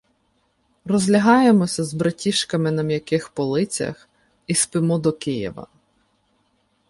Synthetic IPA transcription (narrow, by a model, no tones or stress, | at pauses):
rɔzʲlʲɐɦɑjemɔsʲɐzbɾɐtʲiʃkɐmɪnɐmjɐkɪxpɔlˠɪt͡sʲɐ̰x | ispɪmud̪ɔkɪjḭʋɐ̰